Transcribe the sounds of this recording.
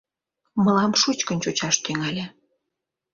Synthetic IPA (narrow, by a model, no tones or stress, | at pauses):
mə̆lɑmʃut͡ɕkənʲt͡ɕut͡ɕɑʃt̪yŋɑlʲe